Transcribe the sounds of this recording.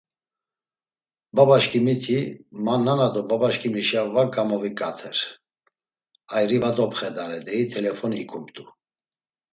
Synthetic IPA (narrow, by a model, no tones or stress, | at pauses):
babaʃkʰimit̪ʰimanːanad̪ɔbabaʃkʰʼimiʃjavaɡamɔvikʼat̪ʰɛɾ | ajɾivad̪ɔpʰχɛd̪aɾɛd̪ɛit̪ʰɛlɛfɔnikʰumt̪ʼu